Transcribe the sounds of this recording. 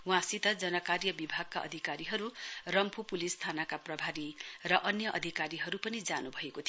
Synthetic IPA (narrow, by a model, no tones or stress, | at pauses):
w̃ãsit̪ʌd͡zʌnʌkaɾjʌbibʱaɡ̚kaʔʌ̰d̪ʱikaɾiɦʌɾurʌmpʰupulist̪ʰanakaprʌbʱaɾirʌʔʌnjʌʔʌ̰d̪ʱikaɾiɦʌɾupʌnid͡zanubʱʌekot̪ʰ